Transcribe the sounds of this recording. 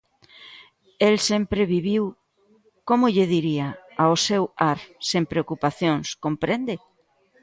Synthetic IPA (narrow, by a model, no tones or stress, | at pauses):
elsempɾeβiβ̞iw | komʊʎeðiɾiaaosewaɾsempɾeokupaθjoŋskompɾend̪e